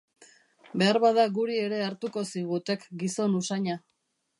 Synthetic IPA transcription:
be̞aɾβaðaɣuɾie̞ɾe̞aɾt̪uko̞siɣ̞ut̪e̞kɡiso̞nusaɲa

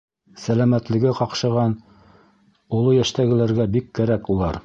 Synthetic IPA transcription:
sælæmæt̪lɘ̆ɡɘqɑqʃɤ̆ʁɑn | ulˠojæʃt̪æɡɘ̆læɾɡæbikːæɾækulˠɑɾ

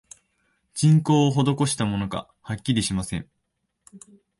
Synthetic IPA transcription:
d͡ʑĩŋko̞ːɦo̞d̪o̞ko̞ɕi̥t̪amo̞no̞ɡa̰ | hakʲːiɾʲiɕimasẽ̞̰ŋ

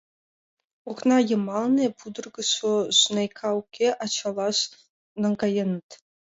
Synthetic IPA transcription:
uχnɑjɤ̆mɑlˠnʲepud̪ɤ̆rɡɤ̆sosnɑjkʰɑukʲːeʔɑt͡ɕɑlˠɑʂ | nɑŋɡɑjɤ̆nɤ̆t̪ʲ

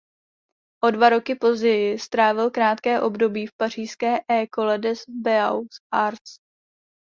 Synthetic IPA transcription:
ʔo̞dvaɾo̞kɪpo̞zɟɛjɪst̪ɾaːvɪlkɾaːt̪kɛːʔo̞bdo̞biːfpar̝iːskɛːʔɛːko̞lɛdɛsbɛawsʔaɾs

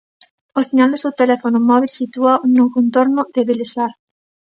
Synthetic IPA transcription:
oθiɲald̪osewt̪elɛfonomɔβilsit̪uanokont̪oɾnʊðeβelesaɾ

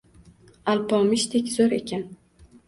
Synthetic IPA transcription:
alpʰɒmɪʃt̪ʰekʲzoɾe̞̰kʲan

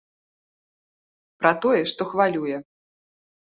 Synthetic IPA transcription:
pɾɐt̪ɔjɛʂt̪ɔxvalʲujɛ

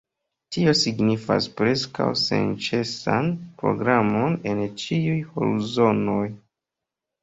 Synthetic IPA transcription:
tio̞siɡnifa̰spɾe̞ska̰wse̞̰nt͡ʃe̞sanpɾo̞̰ɡɾamo̞ne̞nt͡ʃiujho̰luzo̞no̞j

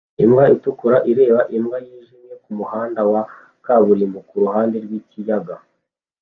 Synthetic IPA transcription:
imɡaitukuɾaʔiɾe̞ːβaʔimɡajiːʒimje̞kumuhaːndawa | kaβuɾimukuɾuhaːnde̞ɾɡwiːcijaɡa

